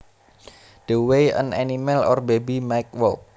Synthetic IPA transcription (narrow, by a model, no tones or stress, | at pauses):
d̥əwejə̰nanimɛlɔ̰rbebimajk̚wɔlk